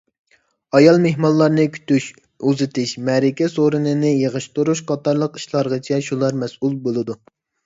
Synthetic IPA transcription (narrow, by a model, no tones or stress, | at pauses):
ɑjɑlˠmeɦmɑnlˠɑɾnɨkʲʰy̥t̪yʃ | uzɪt̪ʰɪʃmɛɾɪkʲɛsoɾɨnɨnɨjeʁəʃt̪uɾuʃqʰɑt̪ɑɾlˠəqi̥ʃlˠɑɾʁɑt͡ʃʰɛʃulˠɑɾmɛsʔulˠbolˠɨd̪u